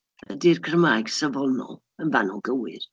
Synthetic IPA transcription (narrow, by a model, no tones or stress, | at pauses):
ə̰dirkʰrəmajɡ̥səvɔlˠnɔ̰ | ənvanɔlˠɡəwɨð